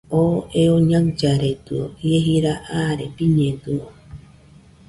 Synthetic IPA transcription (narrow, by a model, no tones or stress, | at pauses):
oʔeoɲãŋd͡ʒaɾet̪ɨojeɦiɾaʔaɾepiɲẽd̪uo